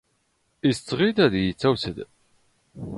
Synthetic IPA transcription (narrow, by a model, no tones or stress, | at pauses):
ist͡sːʁid̪æðjət͡sːæwsəd̪